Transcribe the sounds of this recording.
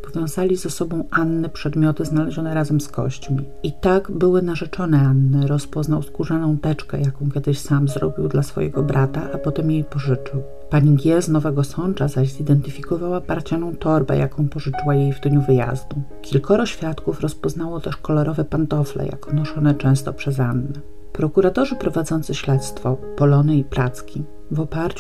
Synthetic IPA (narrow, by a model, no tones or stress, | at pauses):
pɔvʲjɔ̃w̃zalʲizɛsɔbɔ̃w̃ʔanːɛpʂɛd̪mʲjɔt̪ɘznalɛʑɔnɛɾazɛmskɔ̰ɕt͡ɕmʲi | it̪aɡbɘwɘnaʐɛt͡ʂɔnɛanːɘɾɔspɔznawskuʐɛnɔ̃w̃t̪ɛt͡ʂkɛ̰jakɔ̃w̃kʲɛd̪ɘɕsamzɾɔ̰bʲiwd̪lasfɔ̰jɛ̰ɡɔbɾat̪aʔapɔt̪ɛmjejpɔʐɘt͡ʂɘw | paɲiɡʲjɛznɔvɛɡɔsɔnt͡ʂazaɕzid̪ɛnt̪ɘfʲikɔvawapaɾt͡ɕanɔ̃w̃t̪ɔɾbɛ̰jʔa̰kɔ̃w̃pɔʐɘt͡ʂɘwajejvd̪ɲuvɘja̰zd̪u | kʲilkɔɾɔɕfʲjat̪kufɾɔspɔzn̪awɔt̪ɛʂkɔlɔɾɔvɛpant̪ɔflɛ̰ja̰kɔnɔʂɔnɛt͡ʂɛ̃w̃st̪ɔpʂɛzanːɘ | pɾɔkuɾat̪ɔʐɘpɾɔvad̪zɔnt̪sɘɕlɛt̪st̪fɔpɔlɔnɘipɾat̪skʲi | vɔpaɾt͡ɕu